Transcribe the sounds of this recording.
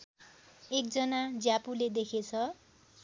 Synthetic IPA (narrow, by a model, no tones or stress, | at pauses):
ek̚d͡zʌnad͡zjapuled̪ekʰet͡sʰʌ